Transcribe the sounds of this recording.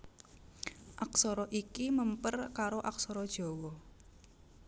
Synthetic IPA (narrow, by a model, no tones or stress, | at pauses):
ʔaksɔɾɔʔikiməmpərkaɾoʔaksɔɾɔd̥ʒ̥ɔ̤wɔ